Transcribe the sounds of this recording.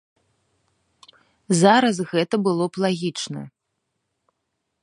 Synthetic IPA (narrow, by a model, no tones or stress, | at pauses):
zaɾɐsɣɛt̪ɐbɨlˠɔplˠaɣʲit͡ʂnɐ̰